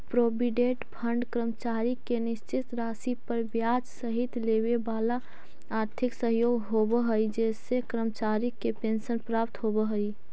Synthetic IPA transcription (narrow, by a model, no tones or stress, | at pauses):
pɾoːbiɖeːʈpʰə̃ɳɖkɾəmt͡ʃaːɾikːenɪst͡ʃɪt̪ɾaːsipəɾbjaːd͡ʒsəɦɪt̪leːʋebaːla | aːɾt̪ʰɪksəɦjoːɡɦobəɦəid͡ʒɛːsːekɾəmt͡ʃaːɾikːepẽːnʃənpɾaːp̚t̪ɦobəɦəi